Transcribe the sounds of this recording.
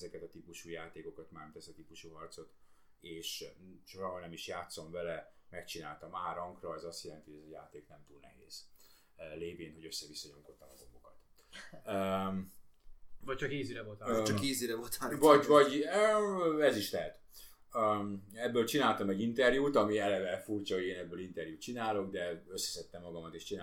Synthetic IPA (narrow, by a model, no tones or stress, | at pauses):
zɛkɛt̪ɒt̪ipuʃuːjaːt̪eːko̞kɒt̪maːmt̪ɛsɛt̪ipuʃuɦɒrt̪so̞t̪ | eːʃʃoɾɒɦonɛmiʃjaːt̪so̞ɱvɛlɛmɛkt͡ʃina̰ːlt̪ɒmaːɾɒŋkrɒɛzɒst̪jɛlɛnt̪iojɛzɛjaːt̪eːknɛmt̪uːlnɛ̰ɦḛːz̥ | leːveːnhoɟø̞sːɛvisːɒɲo̞ŋko̞t̪ːɒmɒɡo̞bo̞kɒt̪ː | vɒc̚t͡ʃɒkheːziɾɛvot̪t͡ʃɒkheːziɾɛvolt̪ʰavɒɟvɒɟøɛziʃlɛɦɛt̪ | øɛbːøːlt͡ʃinaːlt̪ɒmɛɟːint̪ɛrjuːt̪ɒmiɛlɛvɛfurt͡ʃɒɦo̞ɟeːnɛbːøːlint̪ɛrjuːt̪t͡ʃinaːlo̞ɡd̪ɛø̞sːɛ̥sɛt̪ːɛmːɒɡɒmɒt̪eːʃt͡ʃina